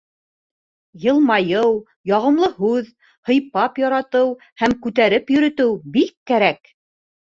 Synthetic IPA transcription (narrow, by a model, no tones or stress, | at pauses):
jɤ̆lˠmɑjɤw | jɑʁɤ̆mlˠɤhʉð | hɤ̆jpɑpjɑɾɑt̪ɤw | hæmkʉt̪æɾɘpjɵ̆ɾɵ̆t̪ɘwbikːæɾæk